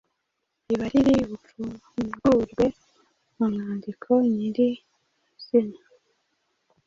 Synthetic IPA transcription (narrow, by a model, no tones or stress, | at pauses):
iβaɾiɾiβufu | ɡuːɾɡwe̞ | mumaːndikʰo̞ɲiɾi | z̥ina